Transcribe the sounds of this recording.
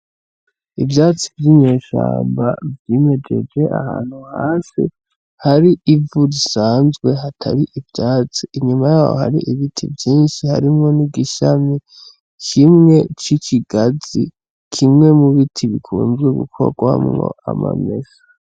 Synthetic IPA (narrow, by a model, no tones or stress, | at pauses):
ivjaːt͡sivjimɲeːʃa̰ːmbavjiːme̞d͡ʒe̞̰d͡ʒe̞ʔa̰ha̰ːn̥huhaːsḭ | haɾiʔivuɾisaːnzɡwe̞ɦatʰa̰ɾiʔivjaːt͡siʔiɲumajaːwo̰haɾḭʔiβitʰḭvjiːnʃihaɾimŋo̞niɡiʃami | kʰimŋe̞t͡ʃit͡ʃiɡazḭ | kʰimŋe̞muβitʰiβikʰuːnzɡuɡṵkʰo̞̰ɡwamŋo̰a̰ma̰mḛsḁ